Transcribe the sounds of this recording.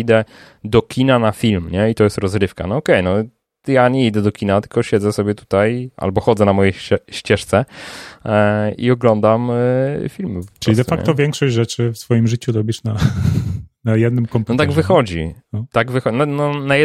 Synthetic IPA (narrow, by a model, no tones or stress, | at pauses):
id̪ɛ | d̪ɔkʲʰinanafʲilmɲɛit̪ɔjɛst̪ɾɔzɾɘfka̰nɔɔkɛjnɔ | jaɲɛid̪ɛd̪ɔkʲinat̪ɘ̥lkɔɕɛd̪zɛsɔbʲjɛt̪u̥t̪ajʔa̰lbɔxɔd̪zɛnamɔjɛɛɕt͡ɕɛʂt̪sɛ | ḭɔɡlɔnd̪amfʲilmppɔpɨɔlisid̪ɛfakɲkɛ̰t̪ɔvʲjɛŋkʂɔɕd͡ʑʐɛt͡ʂɘfsfɔjimʐɘt͡ɕud̪ɔbʲiʂna | najɛd̪nɨmkɔmpnɔt̪aɡvɨxɔd͡ʑḭɔt̪aɡvɘxɔnɔnɔnajɛ